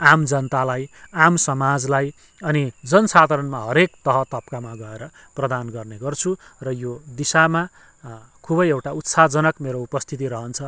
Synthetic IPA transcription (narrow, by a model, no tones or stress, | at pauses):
amd͡zʌnt̪alajamsʌmad͡zlaj | ʌnid͡zʌnsad̪ʱʌɾʌnmaɦʌɾekt̪ʌɦʌt̪ʌp̚kamaɡʌeɾʌ | prʌd̪anɡʌrneɡʌrt͡sʰurʌjod̪isama | kʰubʌjewʈaut̪sad͡zʌnʌkmeɾoupʌst̪ʰit̪̬iɾʌɦʌnt͡sʰʌ